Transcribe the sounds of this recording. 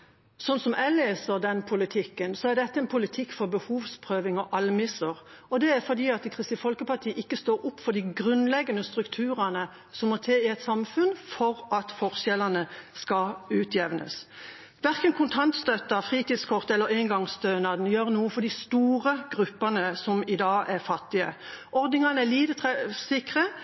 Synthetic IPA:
sɔnsɔmʔæleːsəɾd̪ɛnpʰʊlɪt̪ʰɪkːənsɔæʁd̪ɛt̪ːəɛnpʰʊlɪt̪ʰɪkːfɔbəhuːʋspʰʁøːʋɪŋɔʔɑlmɪsəʁ | ɔd̪ɛæɾfɔd̪iːɑt̪kʰʁɪst̪ɪːfɔlkəpɑt̪ʰiːəʔɪkːəst̪oːɾʊpːfɔʁd̪ɪɡʁʉnlɛɡːənəst̪ɾʉkt̪ʰʉːɾənə | sɔmːɔt̪ʰeːɪɛt̪sɑmfʉnfɔʁɑt̪fɔʁsɛlɑnəskɑʉːt̪ʰjɛʋnʔə̰s | ʋæʁkənkʰʊnt̪ʰɑnt̪st̪œt̪ːəfʁiːt̪iːd̪skʰɔʁt̪ɛlːəɾeːŋɡɑŋst̪ønɑd̪njøːʁnuːəfɔd̪ɪst̪uːʁəɡ̥ʁʉpːɑnəsɔmɪd̪ɑːʔæʁfɑt̪ːɪə̰ʔɔʁd̪nɪŋɑnəæliːt̪ət̪ʰʁɛsɪkʁə

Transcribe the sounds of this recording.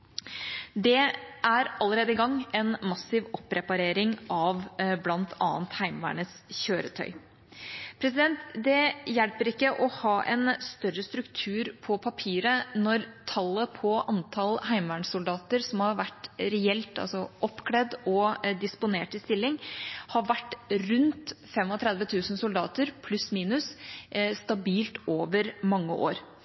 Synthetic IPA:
d̪ɛʔæɾɑlːəɾeːd̪əɪɡɑŋɛnmɑsɪʋɔpːɾɛpɑɾeːɾɪŋʔɑʋblɑnt̪ʰɑ̰ːnt̪hæɪmʋæ̰ːɳəsçøːɾət̪ʰœ̰ʏ | pʰɾɛs̬ɪd̪ɛnt̪d̪ɛjɛlpəɾɪkːəʔɔhɑːʔɛnst̪œɾəst̪ɾʉkt̪ʰʉːɾpʰɔpʰɑpʰiːɾənɔɾt̪ʰɑlːəpʰɔʔɑnt̪ʰɑlhæɪmʋæɳsʊld̪ɑːt̪əɾsɔmhɑɾʋæʈːɾɛɛlt̪ɑ̰lsɔʔɔpːkʰɽɛd̪ɔd̪ɪspʊneːʈɪst̪ɪlːɪŋhɑʋæʈːɾʉnt̪fɛmɔt̪ʰɾɛd̪ʋət̪ʰʉːsnsʊld̪ɑːt̪əɾpʰlʉsmiːnʉsst̪ɑbiːlt̪oːʋəɾmɑŋːəʔo̰ːɾ

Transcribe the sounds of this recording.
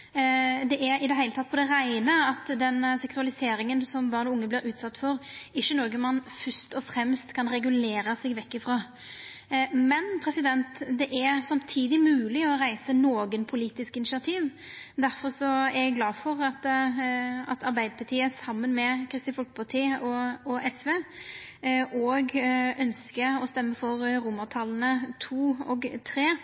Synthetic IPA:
d̪ɛʔæɾɪd̪ɛɦæɪlət̪ʰɑt̪ːpɔd̪ɛɾæɪnəɑt̪d̪ɛnsɛksʉɑlɪseːɾɪŋənsɔmbɑːɾnɔʊŋːəblɪɾʉːt̪sɑt̪ːfɔɾɪʃːənɔːɡənmɑnːfʏst̪ɔfɾɛmst̪kʰɑnɾɛɡʉleːɾəsɛɡʋɛkːɪfɾoː | mɛnpʰɾɛsɪd̪ɛnt̪d̪ɛʔæɾsɑmt̪ʰiːd̪ɪmʉːlɪɔɾæɪsənoːɡənpʰʊliːt̪ɪskɪnɪsɪɑt̪ʰiːʋd̪æɾfɔɾsɔæɾjɛɡɡlɑːfɔɾɑt̪ | ɑt̪ɑɾbæɪd̪əpʰɑt̪ʰiːəsɑmːənmɛkʰɾɪst̪ɪfɔlkpʰɑt̪ʰiːɔɔʔɛsʋeː | ʔɔɡœnskəɔst̪ɛmːəfɔɾɾʊmːət̪ʰɑlənət̪ʰuːɔɡt̪ʰɾeː

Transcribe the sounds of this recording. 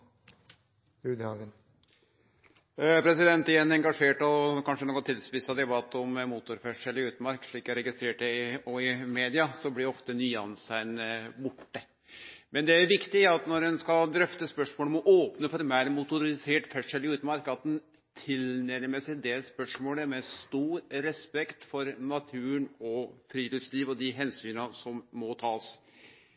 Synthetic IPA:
ʉːd̪ɑɡən | pʰɾɛsɪd̪ɛnt̪ɪjɛnːɛŋɡɑʂeːʈɔkʰɑnʂənoːɡɔnt̪ʰɪlspɪsɑd̪ɛbɑt̪ːɔmmuːt̪ʊɾfɛʂɛlɪʉːt̪əmɑɾkʂɭiːkæɾɛɡɪst̪ɾeːʈəɪɔɪmeːd̪ɪɑsɔblɪɔft̪ənyːɑ̰nsæɪnbʊʈːə | mɛnd̪ɛæɾʋɪkt̪ɪɑt̪nɔɾɛnskɑld̪ɾœft̪əspœʂmoːlmɔʔoːpnəfɔɾmæɾmʊt̪ʊɾɪseːʈfɛʂɛlɪʉːt̪mɑɾkɑt̪̚d̪ɛn | t̪ʰɪlnɛɾməsɪd̪ɛspœʂmoːləmɛst̪uːɾɾɛspɛkt̪fɔɾnɑt̪ʰʉːəɳɔfɾiːlʏsliːʋɔd̪ɪɦɛnsyːnɑsɔmːɔt̪ʰɑːs

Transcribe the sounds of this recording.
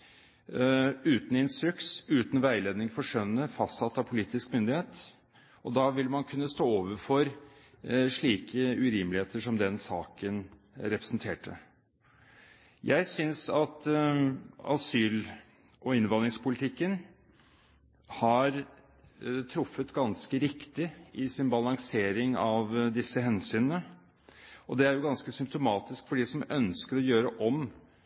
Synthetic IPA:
ʉːt̪n̩ɪnst̪ɾʉksʉːt̪n̩ʋæɪleːd̪nɪŋfɔʂœnːəfɑst̪sɑt̪ːɑʋpʰʊliːt̪ɪskmʏnd̪ɪheːt̪ | ʔɔd̪ɑːʋɪlːmɑnkʰʉnːəst̪oːoːʋəɾfɔɾ | ʂɭiːkʰəʉɾɪmlɪheːt̪əʂɔmd̪ɛnsɑ̰ːkən | ɾɛpɾə̥sn̩t̪ʰeːʈə | jæɪsʏnsɑt̪ | ɑ̰syːl | ɔɪnʋɑnɾɪŋspʊlɪt̪ʰɪkːən | hɑɾ | t̪ʰɾʊfːət̪ɡɑnskəɾɪkt̪ɪɪsɪnbɑlɑŋseːɾɪŋɑʋd̪ɪsːəhɛnsyːnənə | ʔɔd̪ɛæɾjʊɡɑnskəsʏmp̚t̪ʊmɑːt̪ɪskfɔɖiːsɔmœnskəɾɔjøːɾəʔɔm

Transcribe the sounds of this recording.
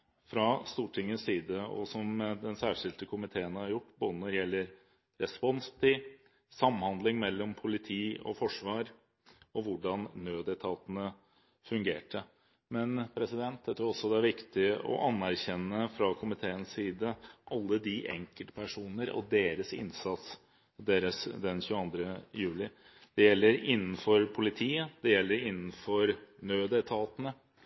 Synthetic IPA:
fɾɑst̪uːʈʰɪŋːənssiːd̪əɔ̰sɔmd̪ɛnsæːʂɪlt̪əkʰʊmɪt̪ʰeːənhɑɾjʊʈːboːd̪ənɔɾjɛlːəɾ | ɾɛspɔnst̪ʰɪ | sɑmːhɑnd̪lɪŋmɛlːɔmpʰʊlɪt̪ʰiːɔ̰fɔʂʋɑːɾ | ɔʋʊɖɑnːøːd̪ɛt̪ʰɑːt̪ənə | fʉŋɡḛːʈə | mɛnpʰɾɛsɪd̪ɛnt̪̚d̪ɛt̪ʰɾuɔsːɔd̪ɛæɾʋɪkt̪ɪʔɔ̰ʔɑnːæɾçɛnːəfɾɑkʰʊmɪt̪ʰeːənsiːd̪əʔɑlːəd̪ɪʔɛ̰ŋkəlt̪ə̥pʰæʂuːnəɾɔ̰d̪eːɾəsɪ̰nsɑt̪s | d̪eːɾəsd̪ɛnçʉːɑnd̪ɾəjʉːlɪ | d̪̥ɛjɛlːəɾɪnːən̩fɔɾpʰʊlɪt̪ʰiːəd̪̥ɛjɛlːəɾɪnːn̩fɔɾnøːd̪ɛt̪ʰɑːt̪ənə

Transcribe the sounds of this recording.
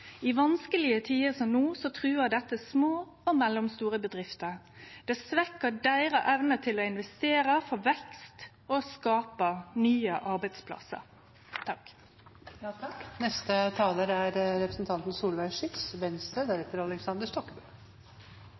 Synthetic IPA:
ɪʋɑnskəlɪət̪ʰiːəsɔmnuːsɔt̪ʰʁʉːəd̪ɛt̪ːəsmoː | ɔmɛlːɔmst̪uːʁəbəd̪ʁɪft̪əɾ | d̪̥ɛsʋɛkːəɖæɪʁəʔɛʋnət̪ʰɪlɔɪnʋɛst̪eːɾəfɔʋɛkst̪ | ɔskɑːpənyːəʔɑɾbæɪd̪spʰlɑ̰sə̰ɾ | t̪ʰɑk̪ | knɛst̪ət̪ʰɑːləɾæɾɾɛpɾəsn̩t̪ʰɑnt̪n̩suːlʋæɪʂɪt̪sʋɛnst̪əd̪æɾɛt̪ːəɾɑlɛksɑnd̪əʂt̪ɔkːbə

